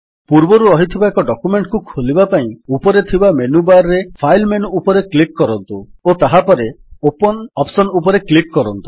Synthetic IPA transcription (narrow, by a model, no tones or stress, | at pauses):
puɾbɔɾuɔɦit̪ʰibaekɔɖɔkumeɳʈkukʰolibapaĩupɔɾet̪ʰibamenubaɾːepʰajlmenupɔɾeklikkɔɾɔnt̪uot̪aɦapɔɾe | opɔnɔpsɔnupɔɾeklikkɔɾɔnt̪u̥